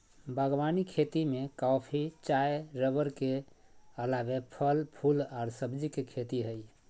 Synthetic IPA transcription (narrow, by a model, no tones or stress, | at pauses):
bəɡʋanikʰet̪imekapʰit͡ʃaeɾəbəɾkeəlabepʰəlpʰulaɾsəbd͡ʒikekʰet̪iɦəj